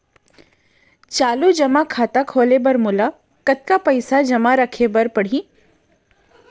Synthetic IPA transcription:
t͡ʃaːlud͡ʒɐmakʰaːt̪akʰoːlebɐɾmʊla | kɐt̪̚kapɐɪsad͡ʒɐmaɾɐkʰebɐɾpɐɽ̤i

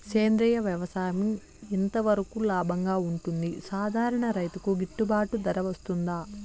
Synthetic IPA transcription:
keːnd̪ɾɛjɐʋjɐʋɐsaːjɐmiː | nt̪ɐʋɐɾɐkulaːbʱɐŋɡaːuɳʈund̪isaːd̪ʱaːɾɐɳɐɾɐjt̪ukuɡiʈːubaːʈud̪ɐɾɐʋɐst̪und̪aː

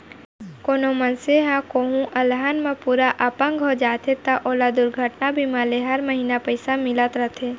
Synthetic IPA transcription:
koːnomənseɦãkoːɦũʔəlɦaːnmẽpuːɾaʔaːpə̃ŋɡɦod͡ʒaːt̪ʰet̪aʔoːlad̪ʊɾɡʱəʈnabʱimaːleɦɐɾməɦiːnapəɪsamɪlət̪ɾət̪ʰe

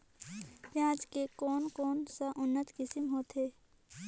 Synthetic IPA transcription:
pjãːd͡ʒkekɔːnkɔːnsaʔʊnːət̪kɪsɪmɦoːt̪ɦeː

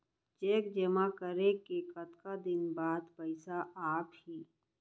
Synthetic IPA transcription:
t͡ʃeːkd͡ʒəmakəɾekekət̪kad̪ɪnbaːd̪pɐɪsaʔaːphiː

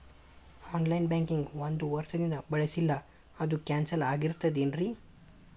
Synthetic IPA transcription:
ɔnlajnbɛŋkiŋɡʋɐnd̪uʋɐɾsəd̪ind̪abɐɭesilːa | ɐd̪ukɛnsɐlaɡiɾt̪ɐd̪inɾi

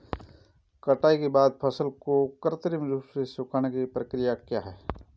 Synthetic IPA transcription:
kɐʈaːikebaːd̪̚pʰɐsəlkokəɾt̪əɾimɾuːsesʊkʰaːñekipɾəkɾɪjakjaːɦɛː

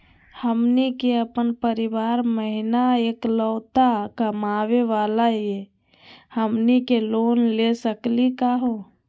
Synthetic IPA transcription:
həmnikeəpənpəɾiʋaɾməɦinaekləːt̪akəmaʋeʋalaie | həmnikelonlesəklikaɦo

